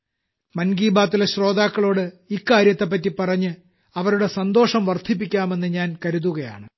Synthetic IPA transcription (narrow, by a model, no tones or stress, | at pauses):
mɐnɡiːbaːt̪ːileɕro̞ːd̪aːkːɐɭo̞ːɽɨ | ikːaːɾjɐt̪ːep̬ːɐtːipɐrɐɲːɨ | ɐʋɐɾuɽe̞sɐnd̪o̞ːʂɐmʋɐrd̪ʱip̬ːikʲːaːme̞nːɨɲaːnkɐɾuðuɣɐja̰ːɳɨ